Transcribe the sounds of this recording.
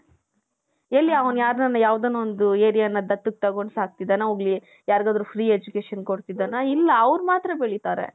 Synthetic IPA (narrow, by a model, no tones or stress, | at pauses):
elːiɐʋɐnjaːɾnɐnːɐjaːʋd̪ɐnːuond̪ueːɾijɐnːɐd̪ɐt̪ːuk̚t̪ɐɡo̞ɳɖsaːk̚t̪id̪ɐnauːɡɭi | jaːɾɡaːd̪ɾufɾiːed͡ʒukeːʃɐnkoɽt̪id̪anɐilːɐːʋɾmaːt̪ɾɐbeɭit̪aːɾḛ